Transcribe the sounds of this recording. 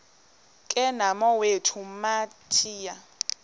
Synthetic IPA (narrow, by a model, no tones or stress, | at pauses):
kʼɛnamɔwetʰumatʰiːja